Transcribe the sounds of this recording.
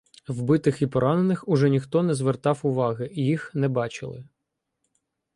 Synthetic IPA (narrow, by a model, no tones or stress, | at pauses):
wbɪt̪ɪxipɔɾɑnenɪxʊʒɛnʲixt̪ɔnɛzʋert̪ɑwʊʋɑɦɪijixnɛbɑt͡ʃɪ̰lˠɪ̰